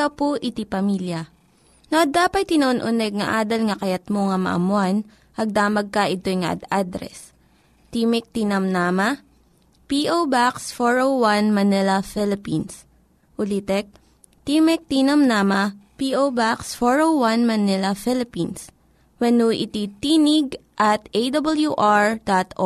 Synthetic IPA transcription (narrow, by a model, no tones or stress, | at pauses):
ɐpoʔɪt̪ipɐmiljɐ | noɐd̪aːpɐt̪̚ːɪnoʔonʔʊnɛɡ̚ŋɐ̰ʔaːd̪ɐlŋɐkɐjɐt̪̚moŋɐmɐ̰ʔɐ̰mʊan | ɐɡ̚d̪aːmɐɡ̚kɐʔɪt̪o̞jŋɐ̰ʔɐ̰d̪ad̪ɾɛ̰s | t̪imɛk̚t̪inɐmnaːmɐ | piʔobaksfoɹowwanmɐnɛlɐfɪlɪpins | ʔʊlit̪ɛk̚ | t̪imɛk̚t̪iːnɐmnaːmɐpiʔobaksfoɹowwanmɐnɪlɐfɪlɪpins | wɛnuʔɪ̰t̪it̪iːnɪɡʔɐt̪ʔejd̪ɐbɐljuʔaɹd̪at̪ʔo